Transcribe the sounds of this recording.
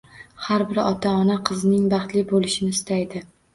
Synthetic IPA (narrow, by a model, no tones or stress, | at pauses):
haɾbɪɾɒt̪ʰaɒnaqʰɨznɪŋbɑχt̪lɪbolɪʃɪnɪst̪ʰajd̪ɪ